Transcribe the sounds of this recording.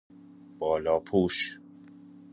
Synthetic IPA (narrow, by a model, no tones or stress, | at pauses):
b̥ɒːlɒːpʰuːʃ